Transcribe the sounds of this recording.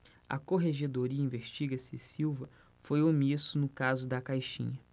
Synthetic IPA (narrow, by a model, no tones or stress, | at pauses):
ɐ̰koɦeʒed̪oɾiɐĩveʃt͡ʃiɡɐsɪsiwvɐ | fojomisʊnʊkazʊd̪ɐkajʃḭ̃ɲɐ